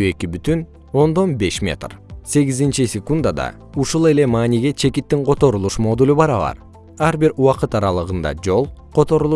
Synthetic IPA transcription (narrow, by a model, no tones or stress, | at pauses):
e̞kibyt̪yn | o̞nd̪o̞nbe̞ʃmʲe̞̰t̪rse̞ɡʲizint͡ʃisʲekund̪ad̪ɑ̰ | uʃulˠe̞le̞mɑːniɡe̞t͡ʃʰe̞kit̪ːiŋqʰo̞t̪o̞ɾulˠuʃmo̞d̪ulʲubɑɾɑβɑ̰ɾ | ɑɾbiɾuwɑqɯt̪ɑɾɑlˠɯʁɯnd̪ɑ̰d͡ʒo̞lˠqʰo̞t̪o̞ɾulˠu